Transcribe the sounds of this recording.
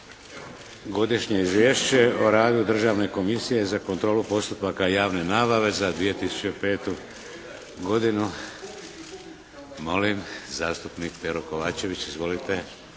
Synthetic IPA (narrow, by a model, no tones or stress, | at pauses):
ɡo̞d̪iʃɲe̞izʋʲjeːʃt͡ɕe̞o̞ɾaːd̪ud̪r̩ʒaːʋne̞ko̞misije̞zako̞nt̪ɾo̞ːlupo̞st̪upakajaːʋne̞naːbaʋe̞zad̪ʋije̞t̪isu̥t͡ɕepe̞ːt̪u | ɡo̞d̪inu | mo̞limzaːst̪upnikpeɾoko̞ʋaːt͡ɕe̞ʋit͡ɕizʋo̞lit̪e̞